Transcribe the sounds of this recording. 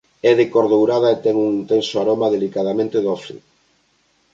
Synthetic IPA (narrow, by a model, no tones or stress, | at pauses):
ɛðekoɾðowɾað̞aet̪ɛŋuŋint̪ensoaɾomaðelikaðamẽnt̪eðɔfḭ